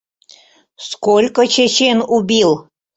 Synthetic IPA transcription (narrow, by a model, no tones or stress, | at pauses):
skolʲkət͡ɕet͡ɕenubʲilˠ